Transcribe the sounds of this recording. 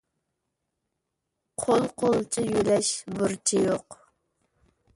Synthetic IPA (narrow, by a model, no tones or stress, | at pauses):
qʰolˠqʰolˠt͡ʃʰijylɛʃbʊɾt͡ʃʰijoq